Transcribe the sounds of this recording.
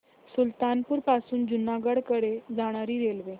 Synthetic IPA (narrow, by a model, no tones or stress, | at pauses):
sult̪anpuːɾpasuːnd͡ʑunaɡəɽkəɾed͡zaɽ̃aɾiːɾelʋe